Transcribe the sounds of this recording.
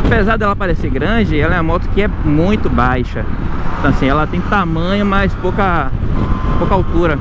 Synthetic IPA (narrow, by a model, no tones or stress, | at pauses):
apezaɾd̪ɛlɐpaɾeseɡɾɐ̃d͡ʒɪɛlɐɛɐmɔt̪ʊ̥kɪɛmũj̃t̪ʊbajʃɐ̃t̪ɐ̃ɐsĩɛlɐt̪ẽj̃t̪amɐ̃ɲʊmajspowkɐ | powkɐawt̪uɾɐ